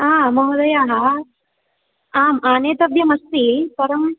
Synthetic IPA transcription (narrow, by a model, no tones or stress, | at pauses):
aːmɐɦod̪ɐjaːɦa | aːmaːneːt̪ɐbʱjɐmɐst̪ipɐɾɐm